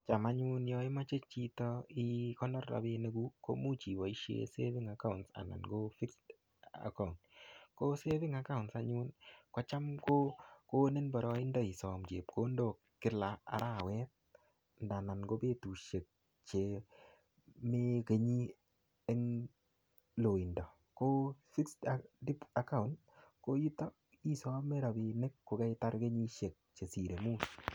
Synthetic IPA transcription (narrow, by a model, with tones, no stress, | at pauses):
t͡ʃa˨ma˨˦ɲu˦njɔ˦ɪ˦ma˦t͡ʃe˦t͡ʃi˦tɔ˦ɪ˦kɔ˦nɔ˦ra̰˨be˦ne˦ɡu˦ko̰˦mu˦t͡ʃi˨bɔ˨i˦ʃjḛ˦sḛ˦βɪ˦ŋa˦ka˦ʊntsa̰˨na̰˨nɡo˦fi˦k | a̰˨ka˨ʊnko˦se˦βɪ˦ŋa˦ka˦ʊntsaɲu˦nkɔ˦t͡ʃa˦mko˦ko˦ne˦nbɔ˨ɾɔ˦ɪ˦ndɔ˨i˨sɔ˨mt͡ʃe˨p̚ko˦ndo˨ | kɪ˦la˨a̰˨˦ɾʔa˦˨wɛ˦t̚ | nda˨na˨nɡo˦be˦tu˨ʃe˨k̚ | t͡ʃe˨ | me˦ke˨ɲi˦ | e˦ŋ | lo˨ɪ˨ndɔ˨ | ko˦si˦kstdi˦pa˨ka˦˨ʊnd | ko˦ji˦tɔ˦ | i˨sɔ˦me˦ɾa˨bi˨ne˦kːo˨ka˦ɪta˦ɾke˦ɲi˦ʃe˨k̚t͡ʃe˨si˨ɾe˨mu˦s